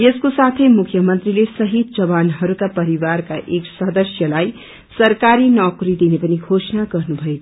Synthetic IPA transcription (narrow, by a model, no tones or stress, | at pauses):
jeskosat̪ʰəjmukʰjʌmʌnt̪ɾilesʌɦid̪̚d͡ʒʌbanɦʌɾukapʌɾiwaɾkaʔeksʌd̪ʌsjʌlaj | sʌɾkaɾinɔkɾid̪inepʌniɡʱosnaɡʌɾnubʱʌekʰ